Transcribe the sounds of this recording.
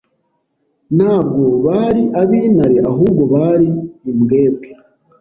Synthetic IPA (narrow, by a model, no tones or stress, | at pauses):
n̥haːb̚ɡo̞βaːɾiʔaβiːnaɾeʔaɦuːbɡo̞βaɾiimɡe̞ːb̚ɡe